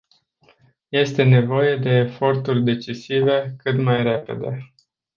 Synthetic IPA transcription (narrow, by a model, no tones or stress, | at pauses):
je̞st̪e̞ne̞vo̞je̞d̪e̞ːfo̞rt̪urʲd̪e̞t͡ʃisive̞kɨt̪majre̞pe̞̰d̪e̞